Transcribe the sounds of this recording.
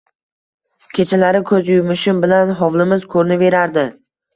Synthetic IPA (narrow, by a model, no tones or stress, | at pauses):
kʲʰe̞t͡ʃʰalaɾɪkʰɵzjʊjmɪʃɪmbɪlanɦɒvlˠɪmɪz̥kʰɵɾnɪve̞ɾaɾd̪ɪ